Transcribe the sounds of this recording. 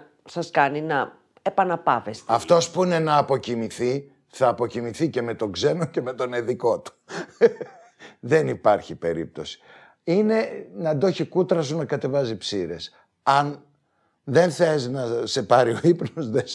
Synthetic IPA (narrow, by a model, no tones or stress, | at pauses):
sɐskɐninɐ | epɐnɐpɐvest̪ɐft̪o̞spuine̞nɐːpo̞cimiθi | θɐːpo̞cimiθice̞me̞t̪o̞ɡze̞no̞ce̞me̞t̪o̞neðiko̞t̪u̥ | ðe̞nipɐɾçipe̞ɾḭp̚t̪o̞si̥ | ine̞nɐd̪o̞çikut̪ɾɐsunɐkɐt̪e̞vɐzipsiɾe̞s | ɐn | ðe̞nθeznɐse̞pɐɾio̞ipnozðe